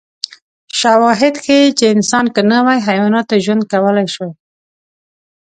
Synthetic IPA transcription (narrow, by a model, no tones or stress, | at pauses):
ʃawɑɦɪd̪xet͡ʃeɪnsɑnkənawajɦajwɑnɑt̪ːaʒwand̪̚kawəlajʃwa